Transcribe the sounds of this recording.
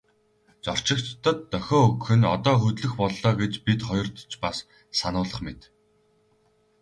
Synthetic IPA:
t͡sɔr̥t͡ɕɪ̆kt̪ːə̆t̪ːœxʲɔːɵkxɘ̆nɔ̰t̪ɔːxɵt̪ɮɵ̆xpɔɮːɔːɡet͡ɕpit̪χɔjɞ̆rt̪t͡ɕpas | sanʊːɮə̆χmet̪

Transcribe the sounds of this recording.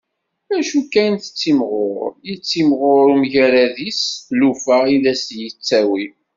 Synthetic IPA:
æʃukːænθət͡sːimʁʊɾjit͡sːimʁʊɾumʝæɾæðislufæiðæsjət͡sːæwi

